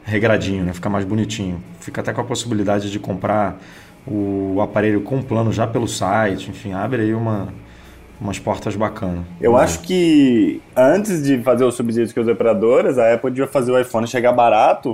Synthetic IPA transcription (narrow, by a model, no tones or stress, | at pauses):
ɦeɡɾad͡ʒĩɲʊnɛfi̥kamajzbunit͡ʃĩɲʊfikɐaːt̪ɛkõɐposibilid̪ad͡ʒɪd͡ʒɪkõmpɾʔa | ʊapaɾeʎʊkõũplɐ̃nʊʒapelʊsajt͡ʃɪẽfĩabɾɪaiũmɐ | ũmɐspɔɾt̪ɐzbakʰɐ̃nɐewaʃʊ̥kɪ | ɐ̃t͡ʃɪzd͡ʒɪfazeɾʊsubizid͡ʒʊ̥kʊzepɾad̪oɾɪzɐɛpowd͡ʒiɐfazeɾʊajfõnɪʃeɡabaɾat̪ʊ